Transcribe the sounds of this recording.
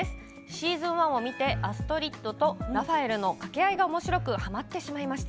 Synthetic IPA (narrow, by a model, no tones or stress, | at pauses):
esɨ̥ | ɕiːzɨ̃ɰ̃βãɰ̃o̞mʲit̪e̞ʔasɨ̥t̪o̞ɾʲit̪ːo̞t̪o̞ɾaɸae̞ɾɯ̟no̞kake̞aiɡaomo̞ɕiɾo̞kɯ̟hamat̪ːe̞ɕimaimaɕi̥t̪